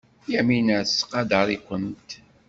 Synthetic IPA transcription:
jæminəsqɑd̪ɑɾˤikʷənt̪

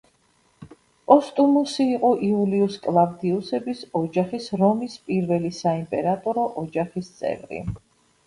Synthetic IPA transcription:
pʼɔst̪ʼumusiːqʼɔʔiuliuskʼlˠavd̪iusɛbisɔd͡ʒaχisɾɔmispʼiɾvɛlisaimpʼɛɾat̪ʼɔɾɔʔɔd͡ʒaχist̪sʼɛ̰vɾḭ

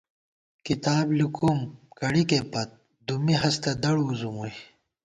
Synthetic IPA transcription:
kit̪aːblikumkɐɽikepɐt̪̚ | d̪umiɦɐst̪ɐd̪ɐɽuːzumuj

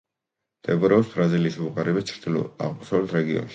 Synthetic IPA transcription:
d̪̥ɛpʼɔɾɛɔpsb̥ɾaziliːsuqʼaɾɛbit̪t͡ʃʰɾd̪ilɔ̰a̰ʁmɔsavlɛt̪ʰɾɛɡiɔ̰nʃi̥

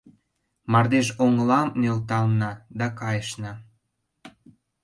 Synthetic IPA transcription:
mɑrd̪eʃoŋəlɑmnølt̪ɑlnɑd̪ɑkɑjəʃnɑ

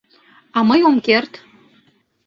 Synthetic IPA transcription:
ɑməjomkert̪

